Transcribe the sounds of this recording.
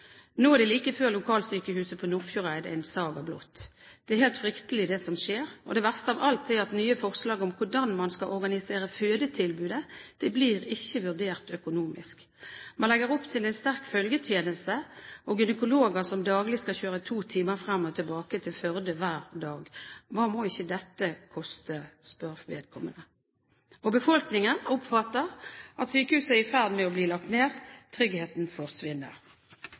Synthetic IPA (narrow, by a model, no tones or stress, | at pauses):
noːæʁd̪ɛɪliːkəføːʁlʊkʰɑːlsyːkəhʉːsəpʰɔnʊɾfjʊʁæɪd̪æɪnsɑːɡɑblɔ̰t̪ːd̪̥ɛæɾhɛːlt̪fʁʏkt̪əlɪd̪ɛsɔmʃeːʁɔ̰d̪ɛːʋæʁst̪əɑʋɑlt̪æɾɑt̪nyːəfɔʁslɑːɡɔmkʰʊɖɑnmɑnskɑʔɔʁɡɑnɪseːʁəføːd̪ət̪ʰɪlbʉːd̪əd̪̥ɛbliːʁɪçːəʋʉʁɖ̪eːʁt̪œkʊnuːmɪ̰sk | mɑnlɛɡəʁɔpt̪ʰɪlɛɪnst̪æʁkfœlɡət̪ʰjeːnəst̪əʔɔɡʏnəkʊloːɡəsɔmd̪ɑːɡlɪskɑlçøːʁət̪ʰuːt̪ʰiːməʁfʁɑmːɔt̪ʰɪlbɑːkət̪ʰɪlfœʁd̪əʋæːʁd̪ɑːɡʋɑːmoːɪçːəd̪ɛt̪ːəkʰɔst̪əspœʁʋḛːd̪̚kʰɔmːənə | ɔbəfɔlknɪŋənʊpfɑt̪ːəʁʔɑt̪syːkəhʉːsəæɪfæʁd̪mɛɔbliːlɑkt̪neːʁt̪ʰʁʏɡheːt̪nfɔʁsʋɪnːə̰ʁ